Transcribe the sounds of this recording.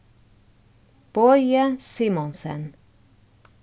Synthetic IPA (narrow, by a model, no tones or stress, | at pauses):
b̥ɔjəsimɔnsə̰n